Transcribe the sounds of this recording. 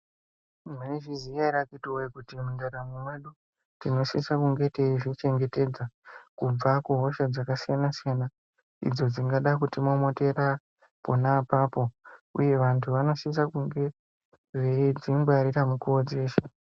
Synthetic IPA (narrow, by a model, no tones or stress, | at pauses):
maneʐizijaiɾakituwekutimundaɾamumwe̞ɗu | tino̞ʃisakuŋɡe̞teiʐit͡ʃe̞ŋɡe̞te̞d͡zakub͡vakuɦo̞ʃad͡zakasijanasijana | ḭd͡zo̞d͡ziŋɡaɗakutimo̞mo̞te̞ra | ponapaːpo̞ṵje̞ʋantʰuʋano̞sis̬akuŋɡe̞ | ʐed͡zimbwaɾiramukuod͡zeːʃe